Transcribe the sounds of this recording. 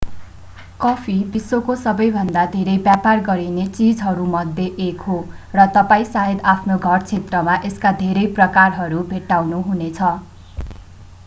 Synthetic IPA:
kʌpʰibisːokosʌbʌjbʱʌnd̪ad̪ʱeɾʌjbjaparɡʌɾinet͡sid͡zɦʌɾumʌd̪ʱːjeʔekɦo | rʌt̪ʌpaĩsaɦed̪apʰnoɡʱʌrt͡sʰet̪rʌmaʔeskad̪ʱeɾʌjprʌkarɦʌɾubʱeʈːawnuɦunet͡sʰʌ

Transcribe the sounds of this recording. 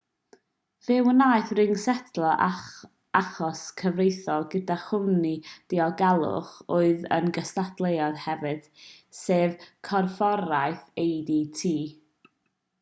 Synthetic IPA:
v̥ɪwənaːɨθrɪŋsɛtʰlˠɔʔa̰ | aχɔskʰəvrejθɔlˠɡədaχʊnid̥iɔɡalˠʊ̰χoːɨðə̰nɡəstatlˠejɔð̥hɛvɨð̥ | seːvkʰɔrfɔɾaɨθejditʰiː

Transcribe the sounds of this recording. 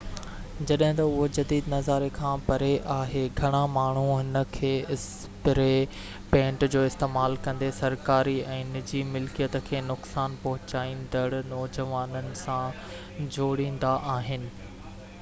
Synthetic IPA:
d͡ʑɐɗɦɪ̃t̪ɐʊɦod͡ʑɐd̪iːd̪nɐzaːɾekʰãːpɐɾeʔaːɦeɡʱɐɽ̃amaːɳ̤uɪnə̆kʰeːɪs | pɪɾe | pẽːɳʈd͡ʑoːɪst̪eːmaːlkɐ̃nd̪esɐɾkaːɾiɛ̃ːnɪd͡ʑimɪlkijət̪əkʰeːnʊksaːnpɐɦʊt͡ɕaːĩnd̪əɽnɔːd͡ʑəʋaːnənɪ̆sã | d͡ʑoːɽĩːn̆d̪aʔaːɦɪnɪ̆

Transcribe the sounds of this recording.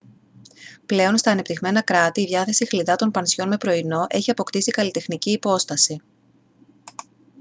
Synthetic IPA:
ple̞o̞nst̪ɐːne̞pt̪iɣme̞nɐkɾɐt̪iːðʝɐθe̞sixliðɐt̪o̞npɐnsço̞nme̞pɾo̞ino̞ʔe̞çiɐpo̞kt̪isikɐlit̪e̞xniciːpo̞st̪ɐsi

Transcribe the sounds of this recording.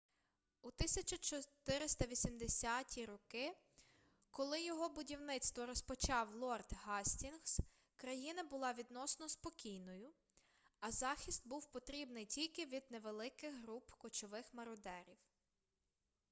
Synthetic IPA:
ut̪ɪsʲɐt͡ʃɐt͡ʃɔt̪ɪɾɪst̪ɐʋʲisʲimd̪esʲatʲʰiɾɔkɪ | kɔlˠɪjɔɦɔbʊdʲiwnɪt̪st̪ʋɔɾɔspɔt͡ʃɑwlˠɔrd̪ɦɑsʲtʲinxs | kɾɐjinɐbʊlˠɑʋʲid̪nɔsnɔspɔkʲijnɔjʊ | ɐzɑxʲist̪̚buwpɔt̪ɾʲibnɪjtʲilʲkɪʋʲid̪̚neʋelˠɪkɪɣɦɾupkɔt͡ʃɔʋɪxmɐɾɔd̪ɛɾʲiw

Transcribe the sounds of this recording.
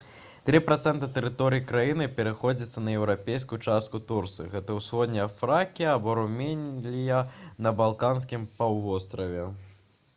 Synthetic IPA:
t̪ɾɨpɾat̪sɛnt̪ɐt̪ɛɾɨt̪ɔɾɨjikɾajinɨpʲɛɾɨxɔd͡zʲit̪sːɐnɐjɛwɾapʲejskujut͡ʂast̪̚kut̪urt̪sɨɣɛt̪ɐwsxɔd̪ʲnʲːɛɐfɾakʲiɐːbɔɾumʲɛnʲlʲijɐnɐbalˠkanskʲimpawvɔst̪ɾɐvʲɛ

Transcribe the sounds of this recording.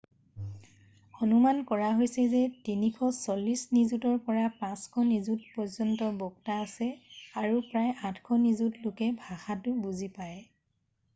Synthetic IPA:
ɔnumankɔɹaɦojsɛzɛtinikʰɔsɔlːisnizutɔɹpɔɹapãskʰɔnizut̚pɔzɔntɔbɔɡtaːsɛaɹupɹajatʰkʰɔnizutlʊkɛbʱaxatʊbuzipaj

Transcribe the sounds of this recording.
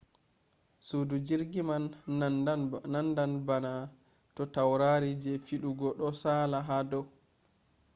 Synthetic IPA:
suːdud͡ʒiɾɡiman | nandanbana | tɔtawɾaɾid͡ʒɛfiɗuɡɔɗɔsaːlaɦadɔw

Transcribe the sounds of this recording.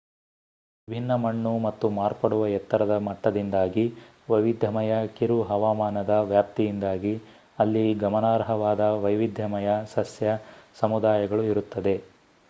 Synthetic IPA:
bʱinːɐmɐɳːumɐt̪ːumaːɾpɐɽuʋɐjɛt̪ːɐɾɐd̪ɐmɐʈːɐd̪ind̪aːɡi | ʋɐjʋid̪ʱɐmɐjɐkiɾuɦɐʋaːmaːnɐd̪ɐʋjaːp̚t̪ijind̪aːɡi | ɐlːiɡɐmɐnaːɾɐɦɐʋaːd̪ɐʋɐjʋid̪ʱjɐmɐjɐsɐsjɐsɐmud̪aːjɐɡɐɭuiɾut̪ːɐd̪e̞

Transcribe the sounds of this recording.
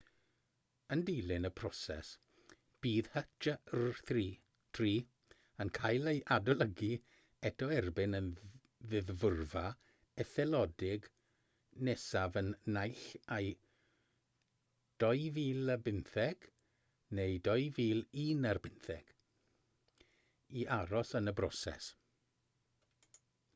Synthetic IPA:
əndijlˠɪnəpʰrɔsɛ̰s | b̥iːðhət͡ʃarθriː | tʰriː | ənkʰajlˠeʔadɔlˠəɡi | ɛtʰɔɛrbɪnən | vɨðvʊrva | ɛθɛlˠɔdɪɡ | nesavənːajɬaj | d̥ɔjviːlˠəbɪnθɛɡ̥ | nejdɔjviːlˠiːnarbɪnθɛ̰ɡ̥ | iʔaɾɔsənəbrɔ̰sɛ̰s

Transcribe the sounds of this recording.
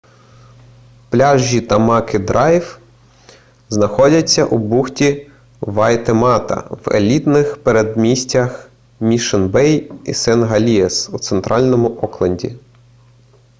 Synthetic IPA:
plʲɑʒːit̪ɐmɑkɪd̪ɾʔɑjw | znɐxɔdʲɐt͡sʲːɐ̰ʔubuxtʲi | ʋɑjt̪emɑt̪ɐ̰wḛlʲit̪nɪxpeɾed̪mʲisʲtʲɐx | mʲiʃenbɛjisɛnɦɐlʲiesut̪sent̪ɾʔɑlʲnɔmʊʔɔklˠɐnʲdʲḭ

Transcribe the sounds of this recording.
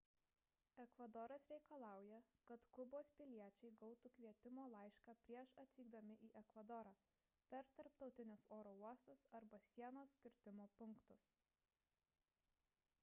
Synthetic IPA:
ɛkʋɐd̪ɔɾɐsɾʲɛɪkɐlˠɑˑʊjɛkɐt̪kʊboːspʲɪlʲiɛt͡ʃʲɛɪɡɒʊt̪uːkʲʋʲiɛt̪ʲɪmoːlˠɐˑɪʃkɑːpʲɾʲiɛʃɐt̪ʲʋʲiːɡ̚d̪ɐmʲɪʔiːʔɛkʋɐd̪ɔɾɑː | pʲɛɾt̪ɐɾpt̪ɒʊt̪ʲɪnʲʊsoːɾoːuɔst̪ʊsɐɾbɐsʲiɛnoːskʲɪɾʲt̪ʲɪmoːpʊŋkt̪ʊs

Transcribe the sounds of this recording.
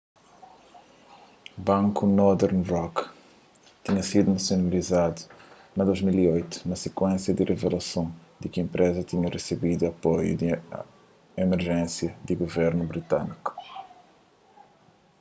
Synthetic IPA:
bɐ̃ŋkunɔɾd̪ɛɾnrɔk | t̪iɲɐsid̪unɐsjonɐlizad̪u | nɐd̪ozmiliojt̪u̥nɐsekwẽnsjɐd̪irʔevelɐsõd̪ikiẽmpɾʔezɐt̪iɲɐresebid̪uɐpojṵd̪i | emeɾʒẽsjɐd̪iɡovɛɾnubɾit̪aniku̥

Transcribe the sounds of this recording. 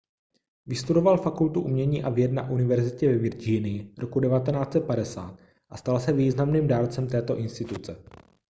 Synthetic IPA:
vɪst̪udo̞valfakult̪uʔumɲɛɲiːʔavjɛd̪na̰ʔunɪvɛɾzɪcɛvɛvɪɾd͡ʒinɪjɪɾʔokudɛvat̪ɛnaːt͡sɛt̪̚padɛsaːt̪̚ | ʔast̪alsɛviːznamniːmdaːɾt͡sɛmt̪ɛːt̪o̞ʔɪnst̪ɪt̪ut͡sɛ

